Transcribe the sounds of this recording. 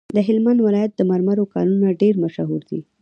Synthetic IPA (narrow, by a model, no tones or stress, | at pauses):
d̪əɦɪlmand̪wɪlɑjat̪̚d̪əmaɾmaɾokɑ̰ɾunaɖeɾmaʃaɦuɾd̪ḭ